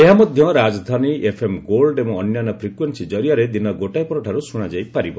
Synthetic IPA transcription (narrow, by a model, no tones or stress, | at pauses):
eɦamɔd̪ʱjɔɾad͡ʒɔd̪ʱaniʔepʰemɡolɖemuːnjanɔpʰɾikwensid͡ʒɔɾijaɾed̪inɔɡoʈajpɔɾɔʈʰaɾusuɽ̃ad͡ʒajpaɾibɔ